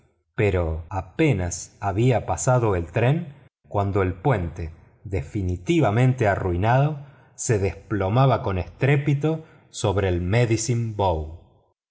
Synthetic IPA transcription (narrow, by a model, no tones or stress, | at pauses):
pe̞ɾoape̞nasaβiapasað̞o̞elt̪ɾeŋ | kwand̪oe̞lpwe̞nt̪e | ðefinit̪iβamẽ̞nt̪e̞aruinaðo̞ | se̞ðesplo̞maβako̞nest̪ɾepit̪o̞ | so̞β̞ɾeːlmeðisimbow